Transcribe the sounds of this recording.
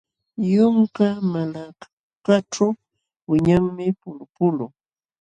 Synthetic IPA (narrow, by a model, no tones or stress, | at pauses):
jʊŋkamalak | kaʈ͡ʂaw | wɪɲaŋmɪpʊlʊpʊlʊŋ